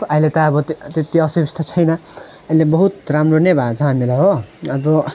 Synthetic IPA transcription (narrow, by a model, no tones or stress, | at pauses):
ʌilet̪ʌʌbʌt̪et̪ːiʌsiksʈ̪ʰʌt͡sʰʌjnʌ | ʌjlebʌɦut̪ramronʌjbʱat͡sʰʌɦamilajɦoʌbʌ